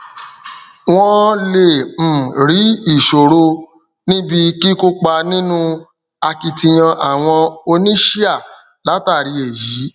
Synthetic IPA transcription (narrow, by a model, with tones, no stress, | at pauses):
w̃ɔ̃˦le˦˨m̩˨ɾi˨˦i˦˨ʃo˨ɾo˧ | nĩ˦bi˧ki˦ko˦k͡pa˧nĩ˦nũ˦ | a˧ki˧tĩ˧j̃ã˧ʔa˨w̃ɔ̃˧o˧nĩ˦ʃi˦a˦˨ | la˨˦ta˦˨ɾi˧e˨ji˨˦